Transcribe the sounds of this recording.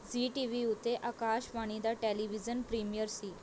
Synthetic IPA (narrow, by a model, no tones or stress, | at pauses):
d͡ziʈiʋiut̪eʔakaɕʋaɽ̃id̪aʈeliʋid͡zənpɾimjəɾsi